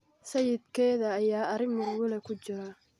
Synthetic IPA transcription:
sɐjɪd̪kʰɛːðɐːjaːɐɾɪŋmʊrwʊlɛkʰʊt͡ʃɪɾɐ

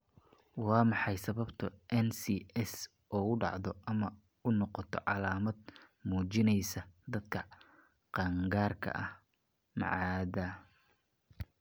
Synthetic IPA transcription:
wɑːmɑħɑjsɐβɐbt̪ʰʊʔɛnsiɛs | ʔɔːʊɖɑ̰ʕðɔʔɐmɐ | ʊnɔqɔt̪ʰɔ̰ʕɑlaːmɐd̪̚ | muːt͡ʃɪnɛjsɐd̪ɐd̪kʰɐ | qɑːŋɡaːrkʰɐ̰ʔɐh | mɑ̰ʕɑːðɐ

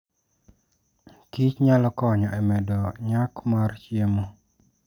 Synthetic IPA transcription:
kit͡ʃɲalɔkɔɲɔɛmɛdɔɲakmart͡ʃiemo

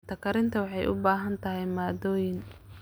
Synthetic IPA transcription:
t̪ʰɐkʰɐɾɪnt̪ʰɐwɑħɑjʔʊ̰baːɦɐnt̪ʰɐɦɛjmaːd̪ɔːjɪn

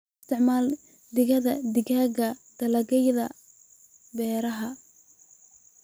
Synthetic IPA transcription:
st̪ʰɪʕmaːl | d̪ɪɣɐðɐd̪ɪɡaːɣɐd̪̥ɐlɐɣɛjðɐ | bɛːɾɐɦɐ

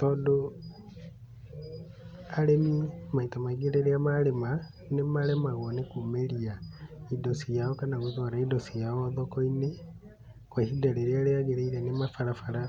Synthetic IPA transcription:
tɔːndo | aɾemimaitamaiɣeɾeɾeamaɾema | nemaɾemaɣɔnekumeɾiaidosijaɔkanaɣoðɔɾaidɔsijaɔðɔkɔine | kwɛhidaɾeɾeaɾeaɣeɾeiɾɛnemafaɾafaɾa

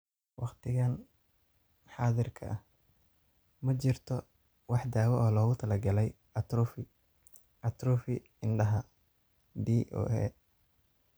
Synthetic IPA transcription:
wɑqt̪ʰɪɣan | ħɑːðɪrkʰɐ̰ʔɐh | mɐt͡ʃɪrt̪ʰɔ | wɑħd̪aːwɛʔɔːlɔːɣʊt̪ʰɐlɐɡɐlɛj | ɐt̪ɾʊfɪ | ʔɐt̪ɾʊːfɪ | ɪnɖɐɦɐ | d̪iːʔo̰ːɛ̰

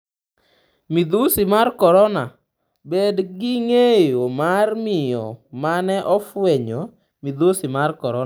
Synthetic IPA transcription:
mid̪osimarkɔɾɔna | bɛdɡɪŋejomarmɪjɔ̰manɛʔɔfwɛɲo | mid̪osimarkɔɾɔ

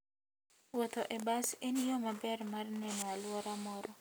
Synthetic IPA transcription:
wɔt̪oʔebasenjomabɛrmarnɛnɔalwɔɾamɔɾɔ

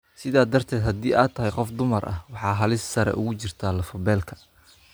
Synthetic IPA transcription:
sɪðaːd̪ɐrt̪ʰɛːd̪ɦɐd̪iːʔaːt̪ʰːɐɦɛjqɔfd̪ʊmɐrʔɐ̰hwɑħɑːɦɐlɪssɐɾɛ̰ʔʊ̰ɣʊt͡ʃɪrt̪ʰaːlɐfɔbɛːlkʰɐ̥

